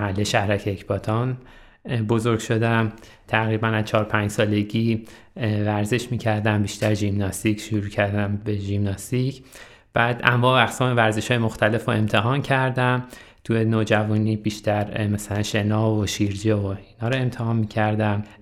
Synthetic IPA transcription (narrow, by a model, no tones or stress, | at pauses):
hælːeʃæhɾæcʰeːcʰbɒt̪ʰɒn | bo̞zo̞ɾɡʃo̞d̪æm | t̪ʰæɣɾibænæzt͡ʃʰɒːɾpʰæɲd͡ʒsɒːle̞ɟiː | væɾze̞ʃmiːcʰæɾd̪æmbiːʃt̪æɾʒibnɒst̪icʰʃoɾuːcʰæɾd̪æmbe̞ʒimnɒst̪icʰ | b̥æːd̪ʔæ̰mːɒːæxsɒːmevæɾze̞ʃɒːjemo̞xt̪ʰæle̞foe̞mt̪ʰe̞ɦɒːncʰæɾd̪æm | t̪ʰujenoːd͡ʒævuːnibiːʃt̪æɾmæsælænʃe̞nɒːvoʃiɾd͡ʒeoinhɒːɾɒe̞mt̪ʰehɒːnmiːcʰæɾd̪æm